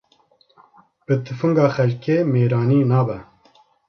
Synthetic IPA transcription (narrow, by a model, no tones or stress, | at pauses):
bɨt̪ʰɨfɨŋɡɑːxɛlkeːmeːɾaːniːnaːbɛ